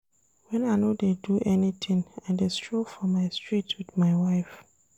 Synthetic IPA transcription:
wɛ̃naɪnodeduʔɛnitʰɪ̃ŋãdestʰɹofɹɔ̃mːaɪstʰɹitʰwɪdmaɪwaɪf

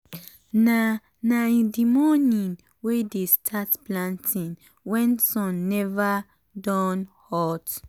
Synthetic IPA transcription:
na | naĩdimɔnĩn | wedestʰatplãntʰĩŋ | wɛ̃nsɔ̃nːɛva | dɔ̃nhɔt

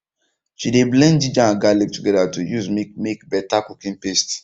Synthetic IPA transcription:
ʃideblɛ̃ndid͡ʒãɡalivtuɡɛdatujuzmmekbɛtakukĩnpest

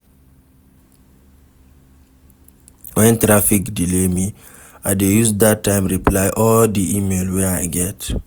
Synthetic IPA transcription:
wɛ̃ntɾafikdilɛmi | ʔadejusd̪atːãɪ̃mɹiplaɪʔɔldiʔimelwɛaɪɡɛt

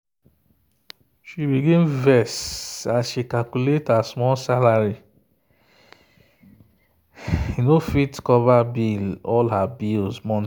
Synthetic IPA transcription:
ʃibiɡẽnvɛsaʃekalkuletasmɔlsalaɾi | inofitkɔvabilɔlɦabilsmɔ̃n

